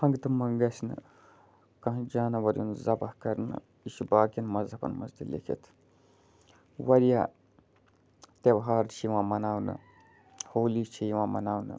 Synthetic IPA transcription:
hɐŋɡt̪ɨmɐŋɡɐsnɨ̰ | kɐ̃ɦd͡ʒaːnɐwɐɾʲjunzɐbɐhkɐɾnɨ̰ | iʃubaːkʲɐnmɐzɐpɐ̰nmɐ̰zd̪ilḛkʰḛt̪ʰ | wɐɾijaː | t̪ebɦaːɾt͡ʃʰiwãːmɐnaːwnɨ̰ | hoːlit͡ʃʰijiwãːmɐ̰naːwnɨ̰

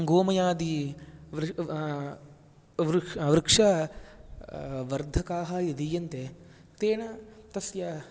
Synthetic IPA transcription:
ŋɡoːmɐjaːd̪iʋɾ | ʋɾʋɾɪkʂɐ | ʋɐɾd̪ʱɐkaːɦɐjid̪ijɐnt̪e | t̪eːɳɐt̪ɐsjɐ

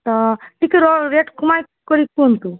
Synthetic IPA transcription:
t̪aʈikeɾɔɾeʈkʰumajkkoɾik̚ːunt̪u

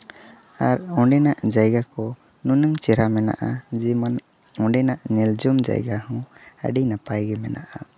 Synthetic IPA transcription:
aɾɔɖɛnaʔd͡ʒajɡakɔ | nunəŋt͡ʃɛɾamɛna̰ʔad͡ʒiman | ɔ̃ɳɖɛnaʔɲɛld͡ʒɔmd͡ʒa̰jɡahɔ̃ə̰ɖinapajɡɛmɛna̰ʔa

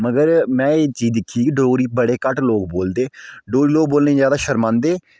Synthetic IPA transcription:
məɡəɾmɛ̃ːeːt͡ʃiːd̪ɪkʰːiːkiɖoːɡɾiːbəɽeːkəʈloːkboːld̪eːɖoːɡɾiːloːk̚boːlneːd͡ʒjaːd̪aːʃəɾmãːnd̪eː

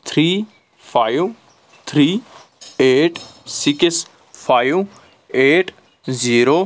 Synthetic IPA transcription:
t̪ʰɾiː | fʰaːjw | t̪ʰɾiː | eːʈsɪks | pʰaːjw | eːʈ | ziːɾoː

